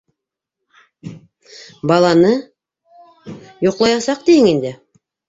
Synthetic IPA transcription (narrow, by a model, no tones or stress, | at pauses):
bɑlˠɑnɤ | joqlˠɑjɑsɑq̚d̪ijɘŋind̪ɪ